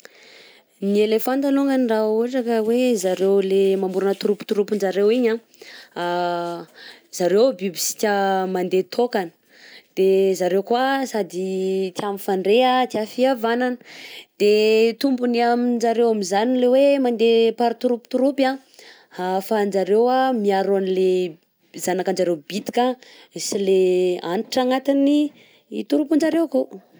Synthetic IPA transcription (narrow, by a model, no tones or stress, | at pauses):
nielefant̪aluŋəniraaʈ͡ʂakəwezaɾewlemamuɾunət̪uɾupi̥t̪uɾupind͡ʒaɾewiɲã | z̥aɾewbibisi̥kʲamand̪et̪ʰokanə̥ | d̪̥ezaɾewkwasad̪it̪iamifaɳɖ͡ʐeat̪iafiavananə̥d̪̥et̪umbuniamind͡ʒaɾewamizanilewemand̪epaɾit̪uɾupit̪uɾupa | hafand͡ʒaɾewamiaɾoanile | zanakand͡ʒaɾewbit̪i̥ka | sileanʈ͡ʂaŋat̪ini | ḭt̪uɾupund͡ʒaɾewko